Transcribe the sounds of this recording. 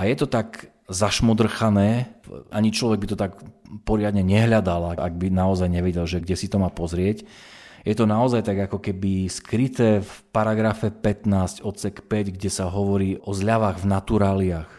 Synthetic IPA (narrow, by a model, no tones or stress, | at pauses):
ajɛt̪ɔt̪aɡ | zaʃmɔd̪r̩xanɛːʔaɲit͡ʃlɔʋɛɡ̚bit̪ɔt̪akpɔɾɪad̪ɲɛɲɛɦʎad̪alaʔa̰ɡ̚binaɔzajɲɛʋɛɟɛlʒɛɡɟɛsit̪ɔmaːpɔzɾɪɛcjɛt̪ɔnaɔzajt̪aɡakɔkɛbiskɾit̪ɛːfpaɾaɡɾafɛpɛt̪naːscɔt̪t͡sɛkpɛɟɡɟɛsaɦɔʋɔɾiːɔzʎaʋaːɣvnat̪uɾaːliax